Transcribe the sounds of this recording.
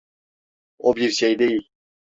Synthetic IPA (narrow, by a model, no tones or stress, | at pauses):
obiɾʃejd̪ejilʲ